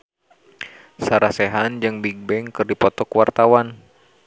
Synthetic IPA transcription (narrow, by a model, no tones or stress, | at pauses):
saɾasɛɦand͡ʒɨŋbiɡ̚bɛŋkɨrdipɔt̪ɔkwart̪awan